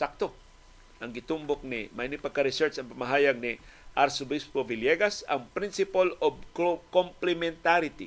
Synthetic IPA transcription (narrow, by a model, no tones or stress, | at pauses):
sak̚t̪o | ʔɐŋɡɪt̪umbok̚nɪ̰mɐjnipɐkɐɾɪsɛɹt͡ʃɐŋpɐmɐɦaːjɐɡ̚ni | ʔɐɾsʊbispovɪljɛɡɐsɐŋpɾinsɪpalobkkomplɛmɛnt̪aɾɪt̪ḭ